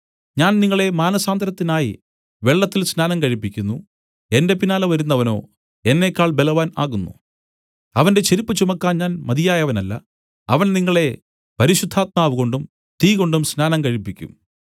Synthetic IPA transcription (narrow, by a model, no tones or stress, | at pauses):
ɲaːnniŋːɐɭe̞maːnɐsaːnd̪ɐɾɐt̪ːinaːji | ʋe̞ɭːɐt̪ːilsnaːnɐmkɐɻipːikʲːunːu | e̞nde̞pinaːlɐʋɐɾunːɐʋɐno̞̰ː | e̞nːe̞kːaːɭbe̞lɐʋaːna̰ːɣunːṵ | ɐʋɐnde̞t͡ɕeɾipːɐt͡ɕumɐkːaːnɲaːnmɐðijaːjɐʋɐnɐlːɐ̰ | ɐʋɐnniŋːɐɭe̞ | pɐɾiɕud̪ʱːaːt̪̚maːʋuɣo̞ɳɖum | t̪iːɣo̞ɳɖumsnaːnɐmkɐɻipːikʲːṵm